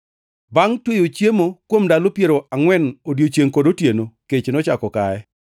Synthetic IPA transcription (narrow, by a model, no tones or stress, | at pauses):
baŋtwejot͡ʃjemokwomdalopjeɾoʔaŋwɛnodjot͡ʃjeŋkodotjenoket͡ʃnɔt͡ʃakɔkaɛ